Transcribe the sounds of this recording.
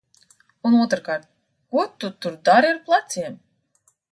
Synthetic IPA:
unuɔt̪ɾkaɾt̪̚ | kuɔt̪ut̪uɾd̪aɾiaɾplˠat̪siɛm

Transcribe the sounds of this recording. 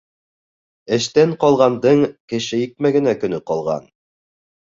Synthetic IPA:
ɘ̆ʃt̪æɴqɒlˠʁɑnd̪ɤɴkɘ̆ʃɘjik̚mæɡɘ̆nækɵ̆nɵqɒlˠʁɑ̰n

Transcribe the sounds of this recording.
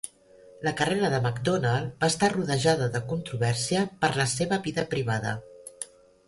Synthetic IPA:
ləkəreɾəðəməkd̪onalˠbaːst̪aruðəʒaðəðəkunt̪ɾuβɛɾsiəpəɾləseβəβiðəpɾiβaðə̰

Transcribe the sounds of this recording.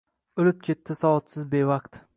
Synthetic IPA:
olɪp̚kʲʰe̞t̪ːɪsɒɒt̪sɪzbevaqt̪

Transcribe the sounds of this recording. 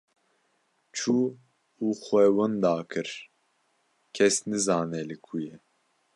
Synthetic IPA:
t͡ʃʰuː | uːxʷɛwɨnd̪ɑːkʰɨɾ | kʲʰɛsnɨzɑːnɛlɨkʰujɛ

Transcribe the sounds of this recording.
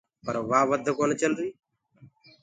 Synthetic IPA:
pəɾʋaːʋəd̪ʱkoːnet͡ʃənɾiː

